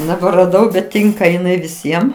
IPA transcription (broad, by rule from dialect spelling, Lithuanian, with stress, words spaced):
nʲɛbʲɛrɐˈdɐʊ bʲɛt ˈtʲɪŋkɐ ɪˈnɐɪ ʋʲɪˈsʲiɛm